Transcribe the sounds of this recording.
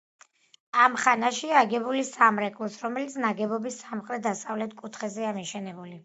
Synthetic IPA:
amχanaʃiaɡɛbulisamɾɛkʼlˠɔsɾɔmɛlit̪sʰnaɡɛbɔbisːamχʼɾɛt̪̚d̪ast̪ʼavlɛt̪̚ʰkʼut̪ʰχɛzɛamiʃɛnɛbuli

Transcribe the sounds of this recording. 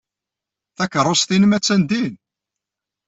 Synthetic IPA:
θækəɾˤːosθinəmæt͡sːænd̪in

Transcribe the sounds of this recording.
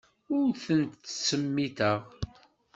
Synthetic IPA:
ʊɾθənt̪ːsəmːit̪əʁ

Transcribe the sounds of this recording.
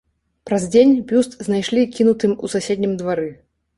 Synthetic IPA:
pɾɐzʲd͡zʲenʲbʲust̪znajʂlʲikʲinut̪ɨmusasʲed̪ʲnʲimd̪vaɾɨ

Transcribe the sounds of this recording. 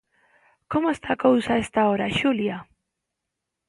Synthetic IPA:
komoest̪akawsae̞st̪aoɾaʃulia

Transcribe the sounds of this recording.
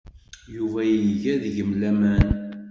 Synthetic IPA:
juvæjəʝæðəʝəmlæmæn

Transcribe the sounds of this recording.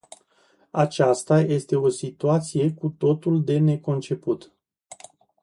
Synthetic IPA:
at͡ʃast̪aje̞st̪e̞o̞sit̪uat̪sije̞kut̪o̞t̪uld̪e̞ne̞ko̞nt͡ʃe̞put̪

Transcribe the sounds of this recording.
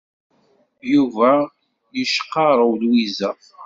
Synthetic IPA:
juvæ | jəʃqːɑɾˤəwlwizəf

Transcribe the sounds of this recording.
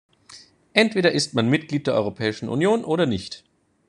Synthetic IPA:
ʔɛntv̥eːɾɐʔɪstmanmɪtɡ̥liːt̚d̥eːɐʔɔʏʁopʰɛːɪʃn̩ʔṵnjoːnʔoːɾɐnɪçt

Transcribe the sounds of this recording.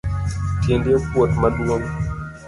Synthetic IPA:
tjendekwot̪malwoŋ

